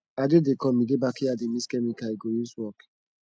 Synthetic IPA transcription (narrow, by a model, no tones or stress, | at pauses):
adedekɔmidebakiademiskɛmikaiɡojuswɔk